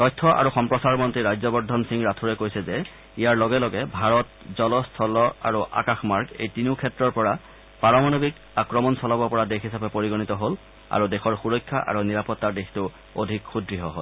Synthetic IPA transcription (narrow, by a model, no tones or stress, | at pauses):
tɔjtʰːɔʔa̰ɹuxɔmpɹɔsaɹmɔntɹiɹajzɔbɔɹdʱɔnsiŋɹatʰuɹɛkojsɛzɛ | ijaɹlɔɡɛlɔɡɛbʱaɹɔtzɔlɔstʰɔlɔa̰ɹuʔa̰kaxmaɹɡḛjtinukʰɛtɹɔɹpɔɹa | paɹɔmanobik | akɹɔmɔnsɔlɔbɔpɔɹadexɦisapɛpoɹiɡɔnitɔɦol | a̰ɹudɛxʰɔɹxuɹɔjkʰːa̰ʔa̰ɹuniɹapɔtːadextʊ | odʱikxudɹiɦɔɦo̰l